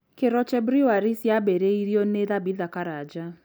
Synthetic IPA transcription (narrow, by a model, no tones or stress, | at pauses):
keɾɔt͡ʃɛbɾiwaɾisjabeɾeiɾjoneðabiðakaɾad͡ʒa